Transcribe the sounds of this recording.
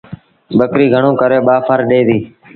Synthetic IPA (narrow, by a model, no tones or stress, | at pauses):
ɓəkɾiːɡʱəɳõːkəɾeːɓaːpʰəɾɗeːʋ̪iː